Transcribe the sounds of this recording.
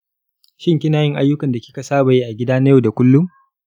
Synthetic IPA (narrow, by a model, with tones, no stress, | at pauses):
ʃɪ˦ŋkʲɪ˦naː˨jɪ˦ŋʔa˦jːʊ˦kɐ˨nda˨kʲɪ̥˦kɐ˨saː˦ba˨ji˦ʔa˨ɡʲɪ˦daː˦na˦jo˦˨da˨kʷʊ˦lːʊ˦m